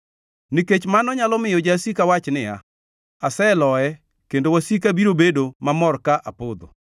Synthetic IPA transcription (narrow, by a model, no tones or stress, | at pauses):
niket͡ʃmanɔɲalɔmɪjɔd͡ʒasikawat͡ʃnɪja̰ | asɛlɔɛ | kendowasikabiɾobedomamɔrkaʔapod̪o̰